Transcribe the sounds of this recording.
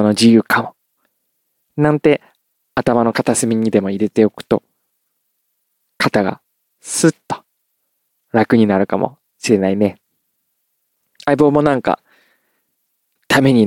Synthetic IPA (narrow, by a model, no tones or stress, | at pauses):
no̞d͡ʑijɯ̟ːkʰamo̞ | nãnt̪e̞ | at̪amano̞kat̪asɨmʲiɲ̟id̪e̞mo̞iɾe̞t̪e̞o̞kɯ̟̥t̪o̞ | kʰat̪aɡa̰ | sɨt̪ːo̥ | ɾakɯ̟ɲ̟inaɾɯ̟kamʔo̞̰ | ɕiɾe̞naine̞ | aibo̞ːmo̞nãŋka̰ | t̪ʰame̞ɲ̟i